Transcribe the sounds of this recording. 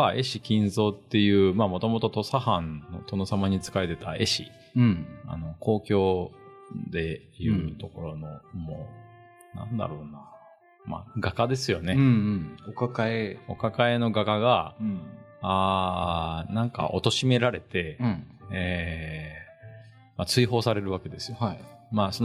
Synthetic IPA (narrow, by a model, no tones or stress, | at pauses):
aʔe̞ɕikʲĩnzo̞ːt̪ːe̞jɯ̟ːmaːmo̞t̪o̞mo̞t̪o̞t̪o̞sahãnːo̞̰t̪o̞no̞samaɲ̟it͡sɨ̥kaet̪e̞t̪ae̞ɕḭ | a̰no̞ko̞ːkʲo̞ː | d̪e̞ | ijɯ̟ːt̪o̞ko̞ɾo̞no̞mo | nã̰nd̪a̰ɾo̞ːna | ma̰ɡakad̪e̞sɨjo̞ne̞okakaeo̞̰kakae̞no̞ɡakaɡa | aː | nãŋka̰ʔo̞̰t̪o̞ɕime̞ɾaɾe̞t̪e̞ | e | mat͡sɨiɦo̞ːsaɾe̞ɾɯ̟βake̞d̪e̞sɨ̥jo̞maːso